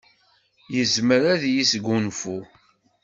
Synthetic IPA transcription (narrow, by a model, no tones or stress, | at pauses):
jəzməɾaðjisɡunfu